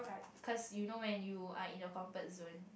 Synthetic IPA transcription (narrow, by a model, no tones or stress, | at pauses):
kʰɔsjunowɛ̃njua̰ĩnəkɔ̃mpət̚zõn